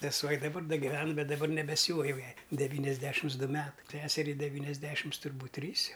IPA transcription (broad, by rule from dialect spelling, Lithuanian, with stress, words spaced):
sʲɛˈsuɔ ɪ dɐˈbɐr ˈdɐ ɡʲɪˈʋʲɛn ˈbʲɛt dɐˈbɐr nʲɛbʲɛˈsʲuːʋɐ jɛʊ ˈjɛɪ dʲɛˈʋʲiːnʲɛzʲˌdʲæːʃʲɪms ˈdʊ ˈmʲæːtɐɪ ˈsʲæːsʲɛrʲɛɪ dʲɛˈʋʲiːnʲɛzʲˌdʲæːʃʲɪms tʊrˈbuːtʲ ˈtʲrʲiːs ˈjɛʊ